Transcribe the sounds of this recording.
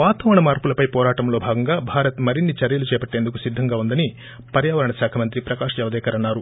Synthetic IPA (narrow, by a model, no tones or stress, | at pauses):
ʋaːt̪ɐʋɐɳɐmaːɾpulɐpɐjpɔːɾaːʈɐmlo̞ːbʱaːɡɐŋɡaːbʱaːɾɐt̪mɐɾinːit͡ʃɐɾjɐlut͡ʃɛːpɐʈːe̞ːnd̪ukusid̪ʱːɐŋɡaːund̪ɐni | pɐɾjaːʋɐɾɐɳɐsaːkʰɐmɐnt̪ɾipɾɐkaːʂɐɛʋɐd̪ɛːkɐɾɐnːaːɾu